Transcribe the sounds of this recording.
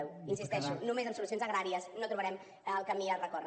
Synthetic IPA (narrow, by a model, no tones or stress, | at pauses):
ɛwinsist̪ɛʃunumezəmsulusionzəɣɾaɾiəsnot̪ɾuβəɾɛmː | lˠkəmiərəkɔr